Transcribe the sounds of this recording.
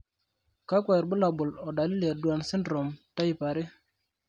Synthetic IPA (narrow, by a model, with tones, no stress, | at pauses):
ka˦kwa˨ɾbʊ˦la˨bʊ˨lɔ˨da˨li˦le˨ɾdu˨a˨nsɪ˦ndɾo˨mta˦i˨pa˨ɾɪ˦